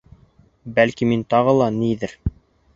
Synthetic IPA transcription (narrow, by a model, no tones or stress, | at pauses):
bælkimint̪ɑʁɤlˠɑniðɘɾ